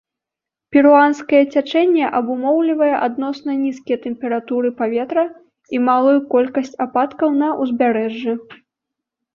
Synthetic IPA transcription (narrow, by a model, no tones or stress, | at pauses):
pʲiɾuanskɐjɛt͡sʲat͡ʂɛnʲːɛʔɐbumɔwlʲivɐjɛʔad̪nɔsnɐnʲiskʲɛjɐt̪ɛmpʲɛɾat̪uɾɨpavʲɛt̪ɾɐ | imalˠujukɔlʲkɐsʲt͡sʲapat̪kɐwnɐʔuzʲbʲaɾɛʐːɛ